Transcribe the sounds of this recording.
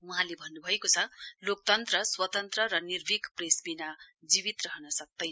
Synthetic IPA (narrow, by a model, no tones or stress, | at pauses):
uɦãlebʱʌnːubʱʌekot͡sʰʌlok̚t̪ʌnt̪rʌswʌt̪ʌnt̪rʌɾʌnirbʱikpresbinad͡zibit̪rʌɦʌnʌsʌk̚d̪ʌj